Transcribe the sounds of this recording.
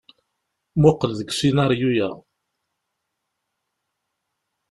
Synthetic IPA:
mʊqːəlðəɡʃinɑɾˤjujæ̰

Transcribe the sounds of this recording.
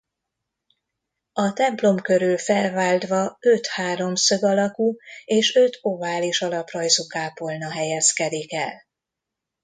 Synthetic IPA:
ɒt̪ɛmplo̞mkø̞ɾylfɛlvaːld̪ʋɒø̞t̪haːɾo̞msøɡɒlɒkueːʃø̞t̪o̞vaːliʃɒlɒprɒjzukaːpo̞lnɒɦɛjɛskɛd̪ikɛl

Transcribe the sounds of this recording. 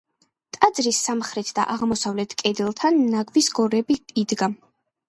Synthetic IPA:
t̪ʼad̪zɾisːamχɾɛt̪ʰd̪̥a̰ʔaʁmɔsavlɛt̪ʰkʼɛd̪ɛlˠt̪ʰanːaɡvisɡɔɾɛbiid̪ɡa

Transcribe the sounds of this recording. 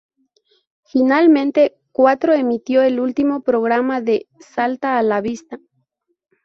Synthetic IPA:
finalmẽ̞nt̪e̞ | kwat̪ɾo̞e̞mit̪jo̞e̞lult̪imo̞pɾo̞ɣɾamaðe̞salt̪aːlaβist̪a

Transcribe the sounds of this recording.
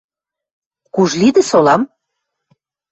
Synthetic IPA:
kuʒlid̪ɘ̆solɑm

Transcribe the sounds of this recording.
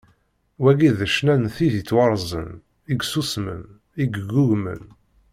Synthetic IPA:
wæɡiðəʃnænθiðit͡sːwɑɾˤzˤə̰n | iɡsusmə̰n | iɡɡːuʝmə̰n

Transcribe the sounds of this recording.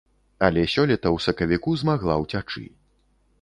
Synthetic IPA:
ɐlʲɛsʲɔlʲɛt̪ɐwsɐkɐvʲikuzmaɣlˠawt͡sʲat͡ʂɨ̰

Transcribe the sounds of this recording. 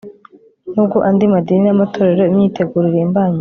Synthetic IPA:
nuːbɡoʔandimadininamatʰo̞ːɾe̞ɾo̞imɲiːte̞ɡuːɾiɾembaːɲe

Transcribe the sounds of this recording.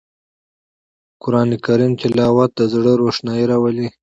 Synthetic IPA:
kʊɾɑːnikaɾimt̪ɪlɑːwat̪̚d̪əzɽəɾoʂnɑjiɾawəli

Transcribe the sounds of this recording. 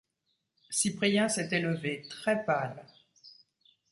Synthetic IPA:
sipχijɛ̃sɛt̪eləvet̪χɛpal

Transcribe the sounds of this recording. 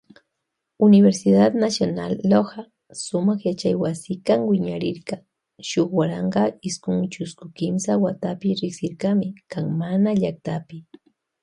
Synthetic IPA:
ʊnɪbeɾsɪd̪at̪nasjona̰lːoɢɑ | sʊmɑχjat͡ʃajwasɪkamwɪɲaɾɪɾɢɑ | ʃoχwaɾɑɴɢɑɪskʊŋt͡ʃʊskʊkɪmsawat̪apɪɾɪksɪɾkamɪkaŋmanaʎak̚t̪apɪ

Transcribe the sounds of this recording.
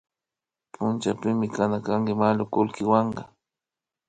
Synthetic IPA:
pʰʊnt͡ʃapɪmɪkanakaŋkɪmalʊkʊlkɪwɑɴɢɑ

